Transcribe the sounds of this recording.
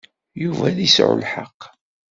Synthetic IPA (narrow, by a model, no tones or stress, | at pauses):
juvæðisʕʊ̰lħəqː